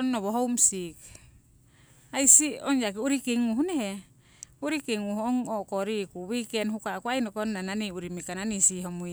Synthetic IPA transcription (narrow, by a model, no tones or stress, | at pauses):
nːoβoɦowmsik | ajsioŋjak̬iuɾikiŋuɦunehe | uɾikiŋuhoŋokoɾikuwikenɦukakuajnokonːananiuɾimikananisiɦomuj